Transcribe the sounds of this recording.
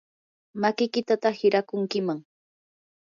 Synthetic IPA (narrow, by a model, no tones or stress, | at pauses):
makɪkɪt̪at̪ahɪɾakʊŋkɪmaŋ